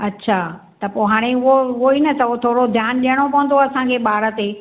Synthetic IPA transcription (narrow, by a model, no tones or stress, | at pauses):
ɐtːɕʰaː | t̪ɐpoːɦaːɽ̃eʊɦoʊɦoinɐt̪ʰɐot̪ʰoːɽod̪ʱjaːnɗijəɽ̃opɐʋə̃n̆d̪oɐsãŋkʰeɓaːɾə̆t̪eː